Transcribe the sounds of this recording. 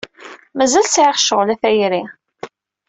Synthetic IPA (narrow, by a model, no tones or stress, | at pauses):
mæzælsʕɪχʃəʁlæθæjɾi